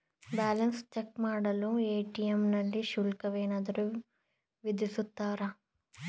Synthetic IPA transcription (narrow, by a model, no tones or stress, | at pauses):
baːlɐnst͡ʃekːmaːɽɐlueːʈijemnɐlːiʃulkɐʋeːnaːd̪ɐɾu | ʋid̪isut̪ːaːɾɐ